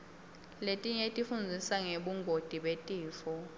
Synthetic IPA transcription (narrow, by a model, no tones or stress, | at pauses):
letʼiɲetʼifund͡zʱisaŋeɓuŋɡʱod̥ʱʼiɓetʼiːfɔ